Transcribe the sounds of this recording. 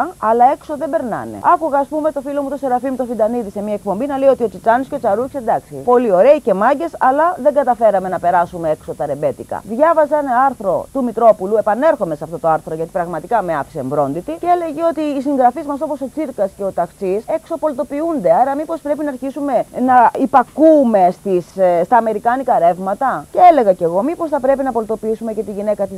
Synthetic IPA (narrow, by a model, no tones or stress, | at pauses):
ɐlɐekso̞ðebe̞ɾnɐ̰ne̞̰ɐkuɣɐːspume̞t̪o̞filo̞mut̪o̞seɾɐfimut̪ofind̪ɐniðise̞miɐek̚po̞mbinɐle̞io̞t̪io̞t͡sit͡sɐnisceo̞t͡sɐɾuçsend̪ɐksḭpo̞lio̞ɾe̞ice̞mɐɟe̞sɐlɐðe̞ŋɡɐt̪ɐfe̞ɾɐme̞nɐpe̞ɾɐsume̞eksot̪ɐɾebe̞t̪ikɐ̰ðʝɐvɐzɐnɐɐɾθɾo̞̰t̪umit̪ɾo̞pulue̞pɐne̞ɾxo̞meseɐft̪o̞t̪oɐɾθɾo̞ʝɐt̪i̥pɾɐɣmɐt̪ikɐmeɐ̰fi̥seɱvɾo̞nd̪it̪iceele̞ʝeo̞t̪iːsiŋɣɾɐfizmɐso̞po̞so̞t͡siɾkɐsce̞o̞t̪ɐxt͡sise̞kso̞po̞lit̪o̞piund̪e̞ɐɾɐmipo̞spɾe̞pinɐːɾçisume̞nɐipɐkume̞st̪isst̪ɐːme̞ɾikɐnikɐɾe̞vmɐt̪ɐceele̞ɣɐce̞ɣo̞mipo̞sθɐpɾe̞pinɐpo̞lit̪o̞piisume̞ce̞t̪iʝine̞kɐt̪iz